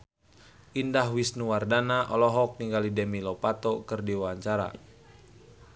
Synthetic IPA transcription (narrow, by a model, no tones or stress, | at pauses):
ʔindahwisnuwardanaʔɔlɔɦɔk̚niŋɡalidɛmilɔpat̪ɔkɨrdiwawaɲt͡ʃaɾa̰